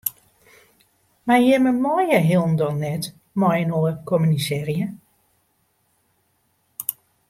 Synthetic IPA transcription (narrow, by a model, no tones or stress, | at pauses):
marjɛməmɔjəɦɪlˠndɔnːɛt | mɔjənoəkʰɔmynisɛːrjə